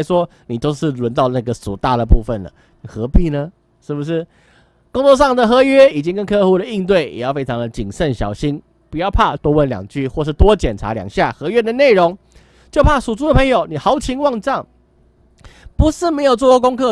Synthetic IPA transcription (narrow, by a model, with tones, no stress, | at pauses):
ɪʂwɔ˦ | ni˨˩t̪o˥ʊʂɻ̩˥˩lwə˧˦nt̪ɑ˥˧ʊna˥˩ɡə˩sṵ˨˩t̪a˥˩d̪ə˩pu˥˧fə˨˩nlə̰˩ | xɤ˧˦pi˥˩nə˩ | ʂɻ̩˥˩bu˨˩ʂ̬ɻ̩˥˩ | ko˥ŋt͡swɔ˥˧ʂ̬ɑ˥˩ŋd̪ə˨xɤ˧˥ɥɛ˥i˨˩t͡ɕi˥ŋkə˦nkʰɤ˥˧xu˥˩d̪ə˩i˥˧nt̪̬we˥˩ɪjʔɛ̰˨˩jɑ˥˩ʊfe˥ɪʈ͡ʂʰɑ˧˥ŋd̪ə˨t͡ɕi˨˩ŋʂə˥˨nɕjɑ̰˨˩ʊɕi˥n | pu˨˩jɑ˥˧ʊpʰa˥˩t̪wɔ˥wə˥˩nljɑ̰˨˩ŋt͡ɕy˥˧xwɔ˥˧ʂ̬ɻ̩˥˩t̪wɔ˦˥t͡ɕjɛ˨˩nʈ͡ʂʰa̰˧˥ljɑ̰˨˩ŋɕja˥˩xɤ˧˥ɥɛ˥˩d̪ə˨ne˥˩ɪɻo˧˥ŋ | t͡ɕjo˥˧ʊpʰa˥˩ʂu˨˩t͡su˥d̪ə˨pʰə˧˥ŋjo˨˩ʊni˨˩xɑ˧˥ʊt͡ɕʰi˧˥ŋwɑ˥˧ŋʈ͡ʂɑ˥˩ŋ | pu˧˥ʂɻ̩˥˩me˧˥ɪjo˨˩ʊt͡swɔ˥˧˩kwɔ˥˩ko˥ŋkʰɤ˥˩